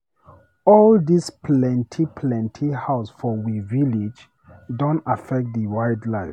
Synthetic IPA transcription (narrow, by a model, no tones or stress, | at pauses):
ɔldispʰlɛ̃ntʰipʰlɛ̃ntʰihaʊsfɔwivilid͡ʒ | dõntafɛk̚t̚ðəwajdlaɪf